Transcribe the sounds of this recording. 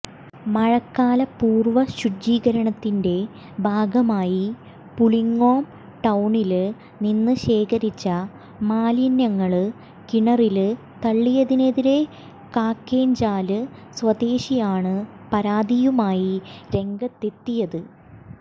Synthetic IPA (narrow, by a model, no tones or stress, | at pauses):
mɐɻɐkːaːlɐpuːrʋɐɕud͡ʑiːɡɐɾɐɳɐt̪ːinde̞ | bʱaːɡɐmaːji | puliŋɡoːm | ʈɐwɳil | ninːɨɕe̞ːkɐɾit͡ɕːɐ | maːljɐnjɐŋːɐɭɨ | kiɳɐril | t̪ɐɭːijɐðine̞ðiɾe̞ | kaːkːe̞ːnd͡ʑaːlɨswɐd̪e̞ːɕijaːɳɨpɐɾaːd̪ijumaːjiɾe̞ŋɡɐt̪ːe̞t̪ːijɐðɨ